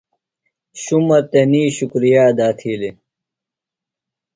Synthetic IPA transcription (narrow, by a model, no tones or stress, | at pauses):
ɕumɐt̪eniːɕukɾijaːd̪aːt̪ʰiːli